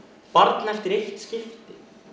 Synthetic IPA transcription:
paɾt̪nɛft̪ɪɾejht̪scɪft̪ɪ

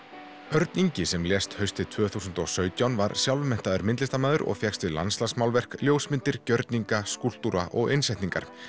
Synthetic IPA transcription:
œɾt̪niɲcɪsɛmljɛst̪hœɥst̪ɪt̪ʰvœːθusʏnt̪ɔsœːɥt̪jawnvaɾsjawlvmɛn̥t̪aðʏɾmɪnt̪lɪst̪amaːðʏɾʔɔ̰ɣfjɛxst̪ɪla̰nslasmawlvɛr̥kljoːwsmɪnt̪ɪɾcœɾt̪niŋkaskul̥t̪uɾaʔɔɣɪnsɛjht̪niŋka̰ɾ̥

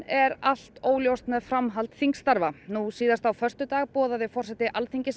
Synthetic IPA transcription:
ɛɾal̥t̪oːwljowst̪naðfɾamɦalt̪θiŋkst̪aɾvanusiːðast̪awfœr̥t̪ʏt̪aːɣpɔːðaðɪfɔr̥sɛt̪ːɪʔalθiɲcɪs

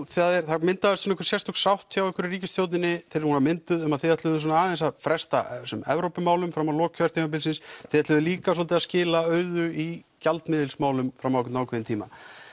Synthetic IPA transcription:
θaðɛɾθamɪnt̪aðʏst̪ɔnɪkvʏɾ̥sjɛst̪ʰɔksawht̪ʰjawɛhkɪɾɪriːcɪst̪ʰjowt̪nɪnːɪθɪɾɪɾhunamɪnt̪ʏðʏmaðθeɛt̪lʏðʏsɔnaaːðɛnsafɾɛst̪a̰sʏmɛ̰vɾowpʏmaːwlʏmfɾamːalɔːkkʰːœɾ̥t̪ʰiːmapɪlsɪnsθeðɛt̪lʏðʏliːkas̬ɔlt̪ɪaðscɪːlaœːɥðʏi | calt̪mɪːðɪlsmaːwlʏmfɾamːawkʏnawkʰvɛjɪnt̪ʰiːma̰

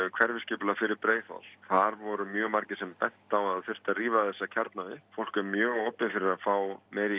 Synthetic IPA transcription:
kʰv̥ɛɾvɪscɪːplafɪɾɪɾpɾeːjfa̰wl̥θaɾvɔɾʏmjœːmaɾcɪsɛmpɛn̥t̪awaðfʏr̥t̪ariːvaθɛsːacʰaɾt̪naðɪfowl̥kʏɾmjœːɣoːpɪfɪɾɪɾafaːwmɛjɾi

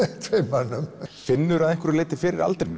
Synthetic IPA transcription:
t̪ʰvejmanːʏmfɪnːʏɾaðɛŋkvʏɾʏɾleːjt̪ɪ̥fɪːɾɪɾa̰lt̪ɾɪn

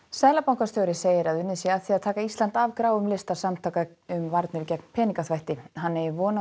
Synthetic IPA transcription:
sɛðlapawŋkast̪owɾɪseːjɪɾaðʏnːɪsiaðθiaðt̪ʰaːkaist̪lant̪avkɾaːwʏmlɪst̪asamt̪ʰaːka | ʏmvaɾt̪nʏɾcɛkn̥pʰɛːniŋkaθvajht̪ɪɦanːɛvɔːna

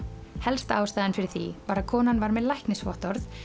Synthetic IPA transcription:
hɛlst̪aːwst̪aːjðɪnfɪɾɪɾθḭvaɾaðkʰɔːnanvaɾmɛðlajhknɪsvɔ̰ht̪ɔɾθ

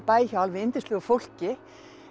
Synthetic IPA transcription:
pajçalvʋɪɪnt̪ɪslʏːɣʏfol̥cɪ

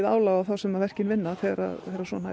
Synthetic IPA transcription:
ða̰ːwlawawθawsɛmavɛr̥cɪnvɪnːaθɛɾa̰ðθɛɾasvɔna

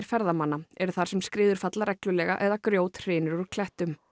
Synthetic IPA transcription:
ɾ̥fɛɾðamanːaɛɾʏθaɾ̥sɛmskɾɪːðʏɾ̥fat̪laɾɛklʏlɛːɣa̰ʔɛðakɾjoːwt̪r̥ɪːnʏɾɔɾkʰlɛht̪ʏm

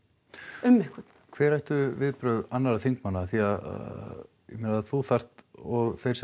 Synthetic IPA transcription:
ʏmːɪhkʏt̪n̥kʰvɛːɾajht̪ʏvɪðpɾœɥðanːaɾaθiŋkmanːaːθiaða̰ | jɛmɪnaðθuθar̥t̪ɔɣθejɾs

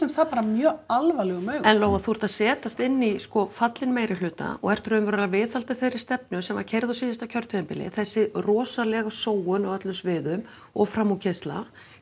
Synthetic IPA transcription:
ɛmθapaːɾamjœːalvajlɛɣʏmœːɥɣɛnloːwɣaðθuɾ̥t̪aðsɛːt̪ast̪ɪnːiskɔfat̪lɪnmeːjɾɪlʏːt̪a̰ɔ̰ɣɛr̥t̪ʏɾʏmvɛɾɾaɾavɪːθalt̪aθejɾɪɾ̥st̪ɛp̚nʏsɛmva̰ɾ̥cʰejɾðasiːðast̪acʰœɾ̥t̪ʰœðɪmpɪlɪ̰θɛsːɪrɔːsalɛɣasoːwʏnɔɣœt̪lʏmsvɪːðʏm | ɔɣfɾamːucʰɪst̪la̰

